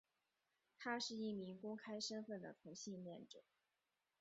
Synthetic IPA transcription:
t̪ʰa˥ʂɻ̩˥˧i˥˩mi˧˥ŋkʊ˥ŋkʰa˥ɪʂə˥nfə˥˩nd̪ə̰˩t̪ʰʊ˧˥ŋɕi˥˧nljɛ˥˩nʈ͡ʂɤ˨˩˦

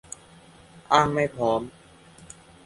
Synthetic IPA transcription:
ʔaː˥˩ŋma˥˩jpʰɾɔː˩˦m

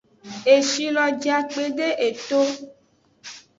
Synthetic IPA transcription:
e˨ʃi˨lɔ˨d͡ʒa˨k͡pe˨ɖe˦ʔe˨t̪o˦

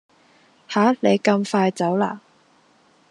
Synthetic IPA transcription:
haː˨˥le˨˧jkɐ˧mfaː˧jt͡sɐ˨˥wla̰ː˨

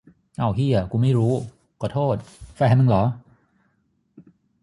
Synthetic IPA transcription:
ʔa˧˩wɦi˧˩ə˨˩kuː˧ma˥˩jɾuː˦˥ | kɔː˨˧˩t̪ʰoː˥˩t̪̚fɛː˧˩ɦa˥˦mɯ˧˩ŋlɔː˩˦

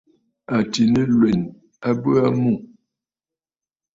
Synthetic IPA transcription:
a˨ti˨nə˦lwɛ˨n | a˦bə˦a˦mu˦˨

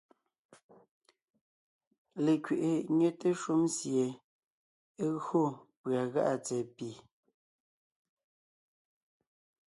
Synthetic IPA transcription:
le˨kɥe˨ʔe˨ɲe˦te˦ʃu˦msje˨˦ | ɣɰo˦˨pɰa˨ɣa˦ʔa˨t͡sɛ˨pi˨

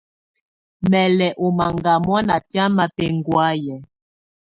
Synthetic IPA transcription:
mɛ˨lɛ˨ʔo˨ma˨ŋɡa˨mɔ˦na˨pja˦ma˦pɛ˦ŋ˦ɡwa˦jɛ˨

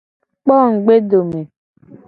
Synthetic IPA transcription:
k͡pɔ˦˨ŋ̩˨ɡ͡be˦do˨me˨

